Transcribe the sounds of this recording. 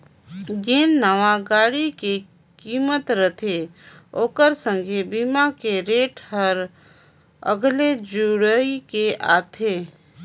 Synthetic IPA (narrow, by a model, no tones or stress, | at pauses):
ɡeːnːəʋãɡaːɽike | kiːmət̪ɾət̪ʰeoːkəɾsə̃ŋɡʱebimakeɾeːʈhəɾ | ə̰ɡled͡ʒuɽəikeʔa̰ːt̪ʰeː